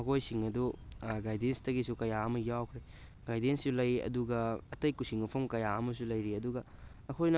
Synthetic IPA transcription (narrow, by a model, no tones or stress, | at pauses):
mɐkʰojsiŋɐduɡajdenstɐɡisukɐjaɐmɐjawkʰɾe | ɡajdenssulɐjɐ̰duɡɐːtɐjkusiŋɐpʰɐmkɐjaɐmɐs̬ulɐjɾiɐduɡɐː | kʰojnɐ